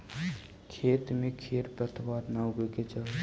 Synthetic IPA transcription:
kʰet̪mẽkʰeɾpɾət̪ʰwaɾnawɡeket͡ʃəl

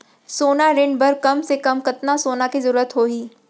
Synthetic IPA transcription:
soːnaɾɪ̃ɳɖbɐɾkɐmsekɐmkɐt̪nasoːnakizɐɾuːɾət̪ɦoːɦiː

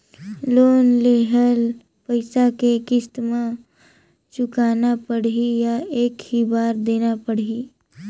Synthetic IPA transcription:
loːnleːɦəl | pəɪsakekɪst̪mẽ | t͡ʃʊkaːnapəɽ̤ijaeːkhibaːɾd̪eːnapəɽ̤iː

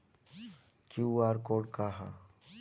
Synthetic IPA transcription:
kjuaːɾkoːɖkaɦa̰

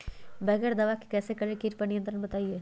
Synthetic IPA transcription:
bɛːɡɛɾd̪ɐʋaki̥kɛːsekɐɾekiɾpɐnijə̃nt̪ɾənbɐt̪aːieː

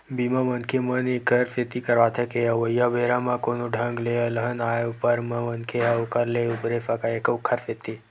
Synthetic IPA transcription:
bimə̃ʋənkʰemənikʰəɾset̪ikəɾʋat̪ʰəkeəʋəjːabʱeɾamãkonuɖʱãŋɡleələɦənaːjupəɾmə̃ʋənkʰeəukəɾleubɾefəkaekukʰːəɾset̪ːi

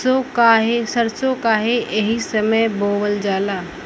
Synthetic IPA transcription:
okaɦesəɾsokaːɦeeɦisəməjboːwəld͡ʒaːlaː

